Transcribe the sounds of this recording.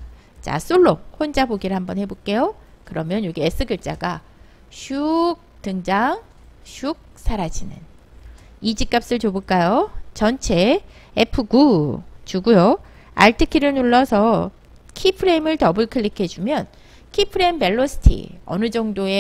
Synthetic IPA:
t͡ɕa̰s͈oɭːohond͡ʑaboɡiɾɯɭhambʌnhe̞bok͈e̞jokɯɾʌmjʌnjoɡees͈ɯɡjuɭt͡ɕ͈aɡa | ɕʰuk̚tɯŋd͡ʑaŋ | ɕʰuk̚s͈ʰaɾad͡ʑinɯ̰n | id͡ʑik͈ap̚s͈ɯɭt͡ɕobuɭk͈ajot͡ɕʌnt͡ɕʰe̞ː | pʰɯɡut͡ɕuɡujo | a̰ɭtʰɯkʰiɾɯɭnuɭːʌsʰʌ | kʰipʰɯɾe̞imɯɭtʌbɯɭkʰɯɭːikʰe̞d͡ʑumjʌn | kʰipʰɯɾe̞imbe̞ɭːosʰɯ̥tʰḭʌ̰nɯd͡ʑʌŋdoe

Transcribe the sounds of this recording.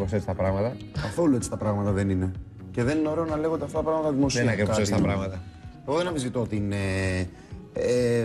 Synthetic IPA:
poset͡sit̪ɐpɾɐɣmɐt̪ɐkɐθo̞luet͡si̥t̪ɐpɾɐɣmɐt̪ɐðe̞nine̞ | ce̞ðe̞nino̞ɾe̞onɐle̞ɣot̪eɐft̪ɐt̪ɐpɾɐɣmɐt̪ɐðimo̞sinɐkekɐsost̪ɐpɾɐɣmɐt̪ɐeɣenɐmizit̪o̞t̪ine

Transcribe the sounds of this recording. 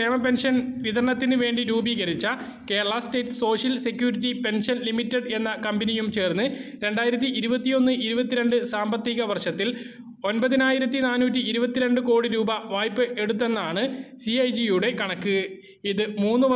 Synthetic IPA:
eːmɐpe̞nʂɐnʋiðɐɾɐɳɐt̪ːinɨʋe̞ːɳɖiɾuːbiːɣɐɾit͡ɕːɐ | ke̞ːɾɐɭɐsʈe̞ːtːɨ̥so̞ːʂjɐlse̞kjuːɾit̬ːipe̞nʂɐnlimitːeɖe̞nːɐkɐmbinijumt͡ɕe̞ːrnːɨɾe̞ɳɖaːjiɾɐt̪̬ːiiɾubɐt̪ːijo̞nːɨʔiɾubɐt̪ːiɾe̞ɳɖɨsaːmbɐt̪ːiɣɐʋɐrʂɐt̪ːil | o̞nbɐðinaːjiɾɐt̪̬ːinaːnuːtːiiɾubɐt̪ːiɾe̞ɳɖɨko̞ːɽiɾuːbɐʋaːjpːɨʔe̞ɽut̪̬ːe̞nːaːɳɨsiɐjd͡ʑijuɽe̞kɐɳɐkːɨ | iðɨmuːnːɨʋɐ

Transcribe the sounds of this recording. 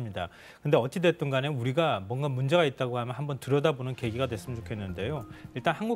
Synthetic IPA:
ɯmɲida | kɯnde̞ʌt͡ɕ͈ʰidet͈oŋɡaneuɾiɡamwʌnɡamund͡ʑe̞ɡait̚t͈aɡohamjʌnɦambʌntɯɾʌdabonɯnke̞ɡiɡadwe̞s͈ɯmnt͡ɕokʰe̞nːɯnde̞joiɭt͈anhanɡu

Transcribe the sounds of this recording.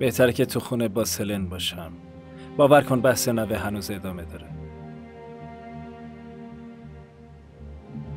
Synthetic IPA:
b̥e̞ht̪ʰæɾecʰet̪ʰuxuːnebɒːselenbɒːʃæm | b̥ɒːvæɾkʰonbæhsenæveɦænuːze̞d̪ɒːme̞d̪ɒːɾe

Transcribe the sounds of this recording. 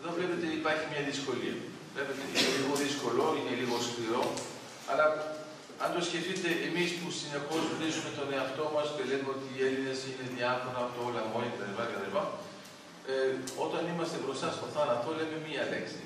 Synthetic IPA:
eðo̞vle̞pe̞t̪e̞ipɐɾçimɲɐðisko̞lḭɐ̰ | vle̞pe̞t̪eineliɣo̞ðisko̞lo̞ine̞liɣo̞skliɾo̞ | ɐ̰lɐ | ɐnd̪o̞sçe̞θit̪e̞ʔemispusine̞po̞zmnizume̞t̪o̞ne̞ɐft̪o̞mɐsce̞le̞meo̞t̪iːe̞line̞sine̞ðiɐfo̞nɐːpot̪oolɐmoeket̪ɐlipɐet̪ɐlipɐ | o̞t̪ɐnimɐst̪e̞bɾo̞sɐst̪oθɐnɐt̪ole̞me̞miɐleksi

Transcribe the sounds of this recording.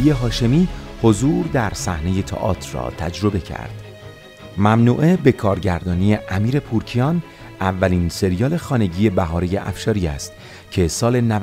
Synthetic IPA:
ie̞ɦɒːʃe̞miːho̞zuːɾd̪æɾsæhne̞je̞t̪ʰɒ̰ːʔɒ̰ːt̪ʰrɒ̰ːt̪ʰæd͡ʒɾo̞be̞cʰæ̰ɾd̪̥ | mæmnuːʔebe̞kʰɒːɾɟæɾd̪ɒːniːe̞ʔæmiːɾe̞pʰuːɾcʰijɒːn | ævːæliːnse̞ɾijɒːle̞xɒːne̞ɟiːje̞bæɦɒːɾejeʔæ̰fʃɒːɾiːæst̪ | cʰe̞sɒːle̞næ

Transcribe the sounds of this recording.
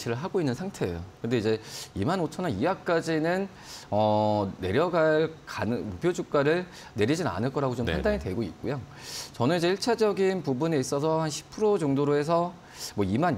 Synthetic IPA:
ɕʰiɾɯɭɦaɡoinːɯnsʰaŋtʰe̞ḛjokɯndeid͡ʑe̞imanot͡ɕʰʌnaijak͈ad͡ʑinɯn | ʌne̞ɾjʌɡaɭkanɯmupʰjod͡ʑuk̚k͈aɾɯɭ | ne̞ɾid͡ʑina̰nɯɭk͈ʌɾaɡot͡ɕompandaɲidwe̞ɡoit̚k͈ojot͡ɕʌnɯnid͡ʑe̞iɭt͡ɕʰad͡ʑʌɡinpubuneis͈ʌsʰʌhanɕʰi̥pʰɯɾod͡ʑoŋdoɾoe̞s̬ʰʌ | mwʌiman

